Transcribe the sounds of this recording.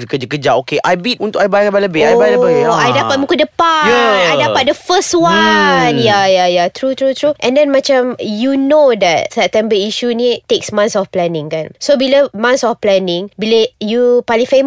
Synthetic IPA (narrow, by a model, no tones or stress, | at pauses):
kəd͡ʒakəd͡ʒaʔokeʔajbit̚ũnt̪ʊkajbajləbaləbehajajləbɪajdapat̚mũkudəpajaajdapat̚dəfəstwanjajajat̪ɾut̪ɾut̪ɾuʔɛ̃ndɛnmãt͡ʃamjunodɛt̚sɛp̚t̪ɛ̃mbəiʃunĩt̪eksmãnsɔfplɛnɪ̃ŋkansobilamãnsɔfplɛnɪ̃ŋbiləjupalĩŋfem